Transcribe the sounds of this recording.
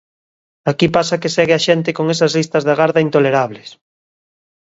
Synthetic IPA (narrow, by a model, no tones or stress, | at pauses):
akipasakesɛɣeaʃent̪ekoŋesazlist̪ɐzðaɣaɾðaint̪oleɾaβ̞les